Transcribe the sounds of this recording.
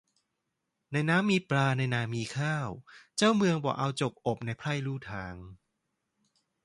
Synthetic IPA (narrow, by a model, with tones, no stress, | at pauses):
na˧jnaː˦˥mːiː˧pɾaː˧na˧jnaː˧˩miː˧kʰaː˥˩wt͡ɕaː˥˩wmɯ˧əŋbɔ̰ː˨˩ʔa˧wt͡ɕo˨˩k̚ʔo˨˩p̚na˧jpʰla˥˩jluː˥˩t̪ʰaː˨˩˦ŋ